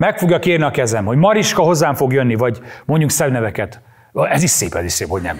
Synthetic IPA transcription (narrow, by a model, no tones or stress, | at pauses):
mɛkfo̞ɡjɒkeːrniɒkɛzɛmho̞ɟmɒɾiʃkɒɦo̞zːaːɱfo̞ɡjønːivɒɟmo̞ɲɟuŋksɛbnɛvɛkɛt̪ | ɛziʃseːpɛziʃseːpho̞ɟnɛ̰m